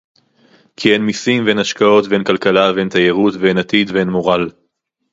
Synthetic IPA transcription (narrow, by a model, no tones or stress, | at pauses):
kʰienmisimvenaʃkao̞t̪be̞nkalkalavent̪ajeʁut̪venat̪id̪venmo̞ʁal